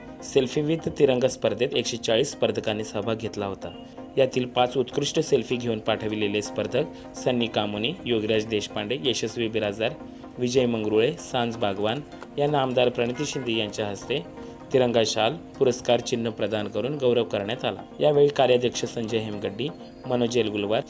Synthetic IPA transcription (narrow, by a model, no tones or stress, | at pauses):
selfiʋid̪ʱt̪iɾəŋɡəspəɾd̪ʱet̪ekɕet͡saɭiːsːpəɾd̪ʱəkanːiːsəbʱaɡʱet̪laɦot̪a | jat̪iːlpat͡sut̪kɾuʂʈəselfiːɡʱeuːnpaʈʰəʋilelespəɾd̪ʱək | sənjikamonijoɡɾjad͡ʑd̪eɕpaɳɖejeɕəsʋibiɾad͡z̪aɾ | ʋid͡ʑəjməŋɡɾuɭesãnt͡sbʱaɡʋan | janamd̪aɾpɾəɳ̃it̪iɕind̪ijaɲt͡ɕjaɦəst̪e | t̪iɾəŋɡaɕalpuɾəskaɾt͡ɕinːəpɾəd̪ʱankəɾuːnɡəwɾəʋkəɾɳjat̪ala̰jaʋeɭiːkaɾjad̪jəkʂəsəɲd͡ʑəɦemɡəɖːiː | mənod͡ʑelɡulʋaɾ